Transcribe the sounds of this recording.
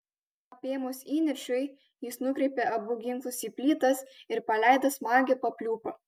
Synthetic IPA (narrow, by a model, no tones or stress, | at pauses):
ɐpʲeːmoːsiːnʲɪɾʲʃʲʊɪ | jɪsnʊkɾʲɛɪpʲeʔɐbʊɡʲɪŋklˠʊsiːpʲlʲiːt̪ɐsɪɾpɐlʲæˑɪd̪ɐsmɑːɡʲepɐpʲlʲuːpɐ